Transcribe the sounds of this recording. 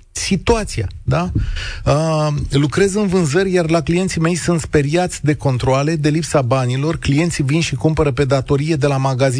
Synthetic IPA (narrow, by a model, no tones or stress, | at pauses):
sit̪uat̪sia̰d̪aəlukɾe̞zɨnvɨnzəɾʲjarlaklije̞nt̪sime̞jsunt̪spe̞ɾiat̪sʲd̪e̞ko̞nt̪ɾoale̞d̪e̞lipsabanilo̞rklije̞nt̪sivinʃikumpəɾəpe̞d̪at̪o̞ɾije̞d̪e̞lamaɡazi